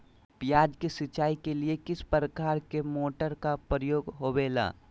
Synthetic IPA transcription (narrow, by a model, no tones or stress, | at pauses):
pjaːd͡ʒkesɪt͡ʃaːikeliekɪspɾəkaːɾkemoːʈəɾkapɾəjoːɡɦoːbeːla̰ː